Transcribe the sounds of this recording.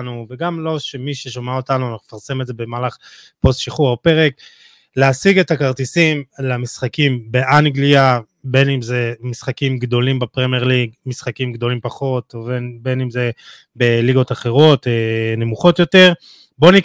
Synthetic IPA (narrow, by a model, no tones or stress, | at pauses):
nuveɡamlo̞ʃe̞miʃeʃomaotanuanaχume̥faʁsemeze̞be̞maːlaχ | po̞stʃiχuʁope̞ʁek | leasiɡe̞takaʁt̪isimlamisχakimbe̞ʔaniɡlia | be̞nimzemisχakimɡd̪o̞limbepʁemeʁliɡmisχakimɡd̪o̞limpaχo̞tovenbe̞nimze̞ | be̞liɡo̞taχe̞ʁo̞tene̞muχo̞tjo̞te̞ʁ | bo̞nik